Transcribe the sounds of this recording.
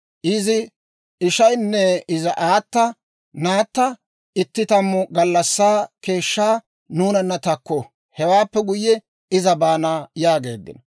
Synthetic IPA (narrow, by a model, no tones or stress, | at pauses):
ʔɪzɪ | ɪʃɐjnːɛɪzɐʔaːt̪ːɐ | naːt̪ːɐ | ɪt̪ːɪt̪ɐmːʊɡɐlːɐsːaːke̞ːʃːaː | nuːnɐnːɐt̪ɐkːɔ | hɛwaːpːɛɡʊjːɛ | ɪzɐbaːnaːjaːɡe̞̰ːd̪ːɪ̰nɐ